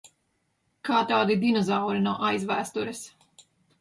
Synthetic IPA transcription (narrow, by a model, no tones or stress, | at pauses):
kaːt̪aːd̪id̪inɔzawɾinɔʔajzvæːst̪uɾɛs